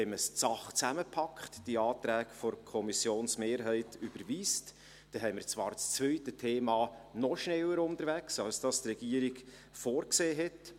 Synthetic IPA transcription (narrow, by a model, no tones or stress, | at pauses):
hɛɪməst͡sɑχt͡sæməpʰɑkχtd̥iɑːtɾæːɡfɔɾkʰɔmisjoːnsmeːɾɦɛɪtyb̥əɾʋiːst | d̥ɛɦɛɪmɪɾt͡svɑːɾt͡st͡svœʏtətʰeːmɑːnɔʃnɛləɾʊntəɾvæksɑlsd̥ɑstrɛɡ̥iːəɾiɡ | foːɾkseːɦɛt